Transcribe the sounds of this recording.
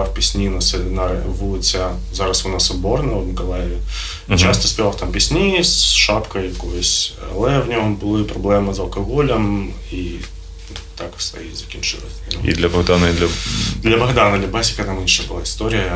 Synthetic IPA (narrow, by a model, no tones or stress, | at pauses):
afpʲɪsʲnʲinɐsɛlʲɪnaɾvut͡sʲa | zaɾɐsʊnasɐbornɐvmʲɪkɐlˠajɪvʲɪ | t͡ɕast̪ɐ̥sʲpʲɪaft̪ampʲɪsʲnʲisʂapkəjjɐkojəsʲlˠɛvnʲoɦbɨlˠɨpɾɐblʲɛmɨzɐlˠkɐɣolʲɐm | i | t̪aksvɐ̰jḭzɐkʲinʲt͡ʃɨ̰lˠɐ̰sʲnḭd̪lʲɐbɐɣd̪anɐid̪lʲɐd̪lʲɐbɐɣd̪anɐd̪lʲɐbasʲɪ̥kɐt̪amɨnʂəbɨlˠaɪst̪oɾʲɪjə